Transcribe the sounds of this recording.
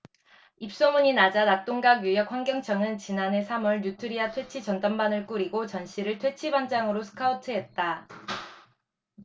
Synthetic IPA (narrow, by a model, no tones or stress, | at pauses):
ip̚s͈omuɲinad͡ʑanat͈oŋɡaɡjujʌk̚ʰwaŋɡjʌŋt͡ɕʰʌŋɯnt͡ɕinane̞sʰamʌɭɲutʰɯɾiatʰwe̞t͡ɕʰid͡ʑʌndʌmbanɯɭk͈uɾiɡot͡ɕʌnɕ͈ʰiɾɯɭtʰwe̞t͡ɕʰiband͡ʑaŋɯɾosʰɯ̥kʰautʰɯɦe̞t̚t͈a